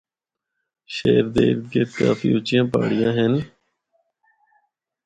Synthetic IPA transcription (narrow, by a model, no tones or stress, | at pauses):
ʃeːɾd̪ḛːɾkeːkaːfḭːʊt͡ʃɪjãːpa̰ːɽɪjãːɦɛn